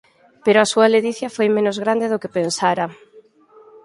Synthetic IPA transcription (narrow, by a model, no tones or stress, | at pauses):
peɾoasuɐleðiθjɐfojmẽnʊzɣɾand̪eðokepensaɾɐ